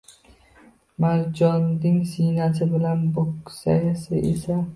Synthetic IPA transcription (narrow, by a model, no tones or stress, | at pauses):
maɾd͡ʒɒnd̪ɪŋsijnasɪbɪlanboksa̰jasɪ̰ʔḛsa